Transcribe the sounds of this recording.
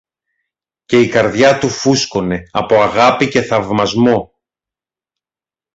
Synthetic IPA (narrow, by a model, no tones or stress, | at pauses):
ce̞ikɐɾðʝɐt̪ufusko̞ne̞ɐpo̞ɐɣɐpice̞θɐvmɐzmo̞